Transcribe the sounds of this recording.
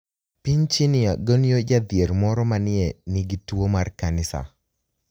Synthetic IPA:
piɲt͡ʃinɪaɡoniod͡ʒad̪ɪeɾmɔɾɔmanɪɛnɪɡitwomarkanɪsa̰

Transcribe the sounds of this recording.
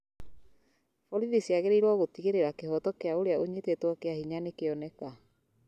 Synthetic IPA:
fɔɾiðisjaɣeɾeiɾwɔɣotiɣeɾeɾakehɔtɔkeaoɾeaoɲetetwɔkeahiɲanekeɔnɛka

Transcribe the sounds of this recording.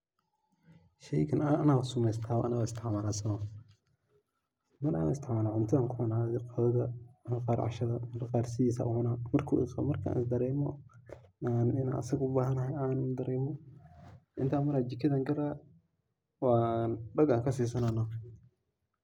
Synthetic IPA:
ʃɛjkʰɐnaːnawsʊmɛjst̪ʰaːʔɐnɐwaɪst̪ʰɪʕmaːlaːsɐ | mɐɾa̰ːnɪ̰st̪ɪʕmaːlaʕʊnt̪ʰɐaːŋkʰʊmɐnaːðɪqɔðɐðɐnaqɑːɾʕɑ̰ʃɐðɐmɐɾaqɑːrsɪiːsa̰ʔʊʊnamɐrkʰṵɪ̰qa̰mɐrkʰa̰ːnɪsd̪ɐɾɛːmɔ̰ | anɪna̰ːnʔɐ̰sɐɡʊbaːɦɐnɐhɛjaːnd̪ɐɾɛːmɔ | ʔɪnt̪ʰaːmɐɾaːd͡ʒɪkʰɐðaːŋɡɐɾa | waːnɖɐɡaːŋkʰɐsiːs̬ɐnanɔ

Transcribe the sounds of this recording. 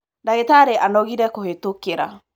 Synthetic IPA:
daɣetaɾeʔanɔɣiɾɛkohetokeɾa̰

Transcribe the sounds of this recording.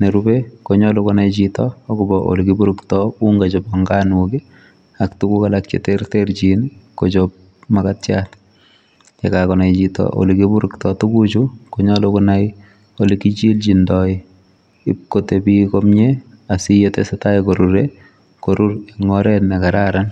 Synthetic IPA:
neɾubekoɲɔlukʊnajt͡ʃitɔːkʊbɔʔo̰likibuɾʊktɔuŋɡat͡ʃɔbɔŋɡanuki | aktukukalak̚t͡ʃḛtertert͡ʃinkot͡ʃop̚ | makatjat | t͡ʃekakɔnajt͡ʃitɔ̰ʔo̰likibuɾʊktɔtukut͡ʃukoɲɔlʊkʊnaj | olikit͡ʃilt͡ʃindɔi | ɪp̚kotebikɔmɲe | asijotḛsɛtajkoɾuɾe | koɾʔuɾeŋɔɾɛtnɛkaɾaɾan

